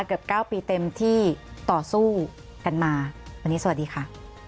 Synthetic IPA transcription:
kɯ˨˩p̚kaː˥˩wpiː˧t̪e˧mt̪ʰiː˥˩t̪ɔː˨˩suː˥˩ | ka˧nmaː˧wa˧nːiː˦˥sa˧˨˩diː˧kʰa˦˥˩ʔ

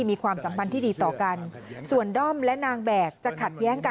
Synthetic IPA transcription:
miː˧kʰwaː˧msa˩˦mpʰa˧nt̪ʰiː˥˩diː˧t̪ɔː˨˩ka˧nsu˨˩əndɔ˥˩mlɛ˦˥naː˧ŋbɛː˨˩k̚t͡ɕa˨˩kʰa˨˩t̪̚jɛː˦˥ŋka˧

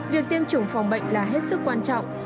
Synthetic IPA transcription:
vi˨˩ək̚t̪i˧əmt͡ɕʊ˨˩˦ŋ͡mfɔ˨˩wŋ͡mɓə̰˧˨jŋ̟laː˨˩ɦe˦˥t̚sɨ˦˥k̚ːwaː˧nt͡ɕɔ̰˧˨wŋ͡m

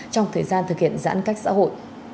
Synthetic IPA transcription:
t͡ɕɔ˧wŋ͡mt̪ʰəː˨˩jzaː˧nt̪ʰɨ˨˩k̚hḭ˧˨ənza̰ː˧˥nka˦˥jk̚sa̰ː˧˥ɦo̰˧˨j

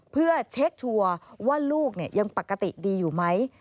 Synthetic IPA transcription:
pʰɯ˥˩ɐt͡ɕʰe˦˥k̚t͡ɕʰu˧ɐwaː˥˩luː˥˩k̚ni˥˩ɐja˧ŋpa˨˩kːa˧t̪i˨˩diː˧juː˨˩ma˦˥j

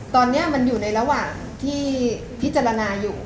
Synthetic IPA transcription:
t̪ɔː˧nːi˦˥ɐma˧njuː˨˩na˧jɾa˧waː˨˩ŋ | t̪ʰiː˥˩ | pʰi˦˥t̪̚t͡ɕaː˧ɾa˧naː˧juː˨˩

